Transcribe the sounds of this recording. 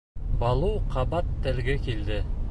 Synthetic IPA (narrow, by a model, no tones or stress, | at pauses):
bɑlˠɤwqʰɑβɑt̪ːælɡækild̪ɘ